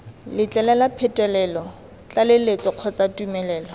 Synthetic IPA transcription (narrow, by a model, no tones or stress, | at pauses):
lɪt͡ɬʼɛlɛlapʰɛtʼɛlɛlɔ | t͡ɬʼalɪlet͡sɔq͡χʰɔt͡satʼumɛlɛːlɔ